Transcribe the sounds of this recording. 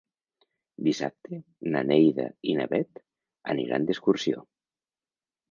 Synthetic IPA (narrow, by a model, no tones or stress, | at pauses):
d̪isa̰p̚t̪enanejða̰inaβɛt̪ | aniɾa̰nd̪eskuɾsio̰